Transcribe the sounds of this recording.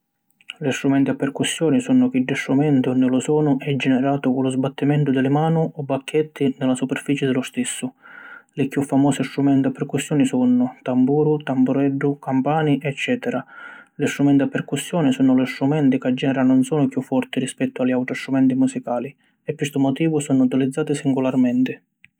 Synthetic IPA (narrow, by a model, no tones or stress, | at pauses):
list̪ɾumɛnt̪iapːɛrkusːjɔːnisunːʊkiɖːist̪ɾumɛnt̪iɔnd̪ʊlʊsɔːnʊʔɛd͡ʒːɛnɛɾaːt̪ʊkʊlʊzbat̪ːimɛnt̪ʊd̪ɪlɪmaːnʊɔbːakʰːɛt̪ʰːinɪlasupɛrfiːt͡ʃɪd̪ɪlʊst̪ɪsːʊlɪkjufːamɔːsɪst̪ɾumɛnt̪iapːɛrkusːjɔːnisunːʊt̪ambuːɾʊt̪ambuɾɛɖːʊkampaːniʔɛt͡ʃːɛːt̪ɛɾalist̪ɾumɛnt̪ɪapːɛrkusːjɔːnɪsɔːnʊlɪst̪ɾumɛnt̪ɪkad͡ʒːɛɾanːʊnsɔːnʊkjufːɔrt̪iɾispɛt̪ːʊalːiawʈ̪ɾɔst̪ɾumɛnt̪imusikaːli | ɛkːwist̪ʊmɔt̪iːvʊsɔnʊut̪ilid̪zːaːt̪ɪsiŋɡʊlarmɛnt̪ɪ